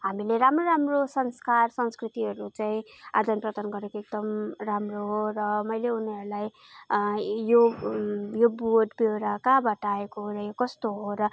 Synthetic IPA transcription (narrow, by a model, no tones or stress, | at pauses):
ɦamileɾamroɾamrosʌŋskarsʌŋskrit̪iɦʌɾut͡saĩ | a̰d̪ʱʌnprʌt̪ʌnɡʌɾekoek̚d̪ʌmramroɦorʌmʌjleuneʌɾulaj | jo | joboʈbewɾakabʱʌʈaekorʌjokʌst̪oɦoɾʌ